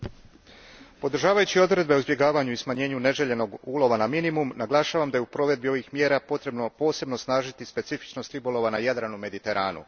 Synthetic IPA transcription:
po̞d̪ɾ̩ʒaːʋajut͡ɕio̞d̪ɾe̞d̪̚be̞uzbje̞ɡaːʋaɲuismaɲe̞ːɲune̞ʒe̞ʎe̞no̞ɡuːlˠo̞ʋanaminimumnaɡlˠaːʃaːʋamd̪ajeupɾo̞ʋe̞d̪bio̞ʋixmje̞ːɾapot̪ɾenpo̞ːse̞bno̞snaːʒit̪ispe̞t̪sifi̥t͡ʃnost̪ɾibulˠo̞ʋanajad̪ɾanume̞d̪it̪e̞ɾʔaːnṵ

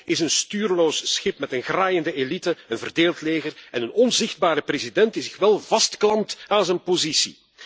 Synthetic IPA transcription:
ɪsənstyːrloːssxɪpmɛtənɣraːjəndəʔelitəənvərdeːlˠtleːɣərɛnənɔnzɪxd̚baːɾəprezidɛntisɪxʋɛlˠvɑstklɑmtaːnzɛnpozisḭ

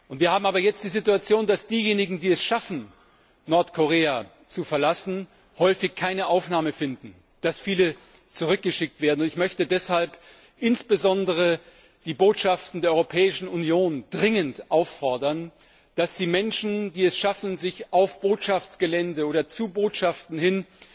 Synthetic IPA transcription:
ʔʊntv̥iːɐhaːbm̩aːbɐjɛt͡st̚d̥iːzɪtuat͡sjoːndasd̥iːjeːnɪɡŋ̩diːɛsʃafn̩ | nɔɐtkʰoʁeːa | t͡sufɛɐlasn̩ | hɔʏfɪçkʰːaɪnəʔaʊfnaːməfɪndn̩ | d̥asfiːlə | t͡suʁ̞ʏk̚ɡ̥əʃɪk̚tv̥eːɐdn̩ʊntɪçmœçtədɛshalp | ʔɪnsb̥əzɔndəʁ̞ə | d̥iːboːtʃaftn̩deːɐɔʏʁopʰɛːɪʃn̩unjoːnd̥ʁɪŋəntʔaʊfɔɐdɐn | d̥asz̥iːmɛnʃn̩diːɛsʃafn̩zɪçʔaʊfb̥oːtʃaft͡sɡ̥əlɛndəoːdɾɐt͡suboːtʃaftn̩hɪn

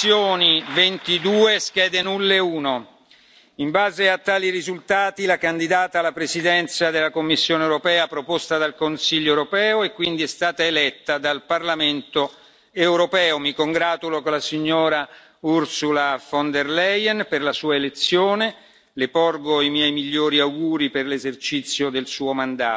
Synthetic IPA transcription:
joːnivent̪id̪uːeskɛːd̪enulːeuːno | imbaːzeat̪ːaːlirizult̪aːt̪ilakand̪id̪aːt̪aːlːapɾesid̪ɛnt̪sad̪elːakomːisːjoːnewɾopɛːapɾopost̪ad̪alkonsiʎːoewɾopɛːoekːwind̪iɛst̪aːt̪aelɛt̪ːad̪alparlament̪o | ewɾopɛːomikoŋɡɾaːt̪ulokolasiɲːoːɾa | ursulafond̪erlɛjɛnperlasuːaelet̪sːjoːne | leporɡoimjɛjmiʎːoːɾiawɡuːɾiperlezert͡ʃit̪sːjod̪elsuːomand̪aː

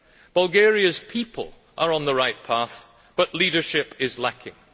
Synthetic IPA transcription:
b̥əlˠɡɛɹiɨz̥pʰipʰə̰l̩ˠ | ʔə˞ə̃nðəɹaɪʔ̚pʰaθ | b̥ʌʔlˠiɾə˞ʃɪpɪzlˠakʰɪ̰̃ŋ

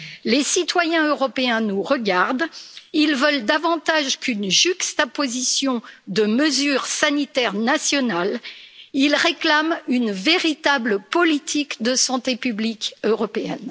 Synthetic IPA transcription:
lesit̪wajɛ̃øʁɔpeɛ̃nuʁəɡaʁd̪ilvœld̪avɑ̃t̪aʒkynʒykst̪apozisjɔ̃d̪əməzyʁsanit̪ɛʁnasjɔnalilʁeklamynveʁit̪abləpɔlit̪ʰikd̪əsɑ̃t̪epyblikøʁɔpeɛ̰n

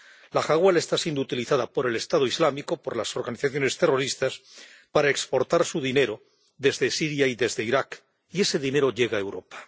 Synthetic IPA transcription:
laxaɣwale̞st̪asjend̪ut̪iliθaðapo̞ɾe̞le̞st̪að̞oizlamiko̞po̞ɾlaso̞ɾɣaniθaθjo̞ne̞st̪e̞ro̞ɾist̪as | paɾae̞kspo̞ɾt̪aɾsuðine̞ɾo̞ | ðe̞zðe̞siɾjaiðe̞zðe̞iɾak | ie̞se̞ðine̞ɾo̞ʎe̞ɣae̞wɾo̞pḁ

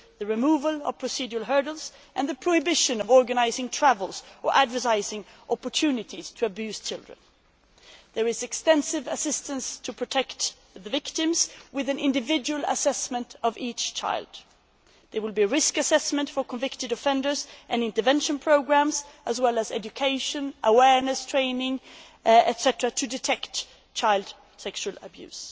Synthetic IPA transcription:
ðɨɹɨmuːvəlˠʌ̰v̥pʰɹ̥ɨsid͡ʒəl̩ˠɦɜ˞ɾl̩ˠz̥ʔɨ̃nðɨpʰɹ̥oʊhɨbɪʃɨ̃nʌvɔɹɡɨnaɪzɪ̃ŋtʰɹ̥ævəl̩ˠz̥ʔə˞ʔædvə˞taɪzɪ̃ŋ | ʔɑpə˞tʰʉnɨɾiz̥tʰɨːbjʉz̥t͡ʃʰɪlˠdɹə̰̃n | ðə˞ɨzɨkstɛ̃nsɪvɨsɪstə̃nstʰɨpʰɹ̥ɨtʰɛkt̪ | ðɨvɪktɪ̃mz̥wɨðɨ̃nʔɪ̃ndɨvɪd͡ʒɨwəl̩ˠə̰sɛsmə̃ntʰʌvit͡ʃt͡ʃʰa̰ɪlˠd̥ | ðə˞wɪlˠbiɹɪskɨsɛsmə̃ntfə˞kʰə̃ɱvɪktɨdɨfɛ̃ndə˞zʔɨ̃nɪ̃ntə˞vɛ̃nʃɨ̃npʰɹ̥oʊɡɹæ̃mzʔəzwɛlˠəzɛ̰d͡ʒɨkʰeɪʃɨ̃nʔəwɛɹnɨstʰɹ̥ẽɪ̃nɪ̃ŋ | ɛtsɛtɹətʰɨdɨtʰɛkt | t͡ʃʰaɪlˠd̥ | sɛkʃʉl̩ˠə̰bjʉ̰z̥

